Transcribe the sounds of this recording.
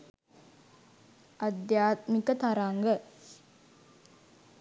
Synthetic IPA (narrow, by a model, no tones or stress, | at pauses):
ʔɐd̪jaːt̪mikət̪aɾaŋɡə